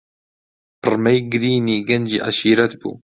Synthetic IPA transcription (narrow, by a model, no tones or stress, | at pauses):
pɨɾmɛjɡɾiːniːɡɐnd͡ʒḭːʔa̰ʃiːɾɐt̪bṵː